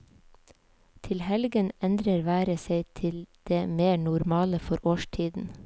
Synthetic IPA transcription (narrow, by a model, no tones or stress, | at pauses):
t̪ʰɪlhɛlɡənɛnd̪ɾəɾʋæːɾəseɪt̪ʰɪld̪̥eːmeːɳʊɾmɑːləfɔɾʔoːʃʈʰiːd̪n̩